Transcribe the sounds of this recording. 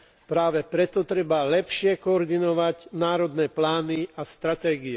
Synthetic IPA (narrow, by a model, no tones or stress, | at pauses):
pɾaːʋɛpɾɛt̪ɔt̪ɾɛbalɛpʃɪɛkɔɔɾd̪inɔʋaɟnaːɾɔd̪nɛːplaːniast̪ɾat̪ɛːɡiɛ